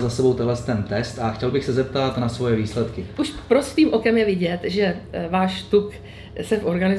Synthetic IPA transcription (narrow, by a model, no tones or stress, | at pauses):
zasɛbo̞wt̪ɛɦlɛst̪ɛnt̪ɛst̪axcɛlbɪxsɛzɛp̚t̪at̪nasvo̞jɛviːslɛt̪kɪʔuʃpɾo̞sviːmʔo̞kɛmjɛvɪɟɛt̪ʒɛvaːʃt̪uk | sɛfʔo̞ɾɡanɪ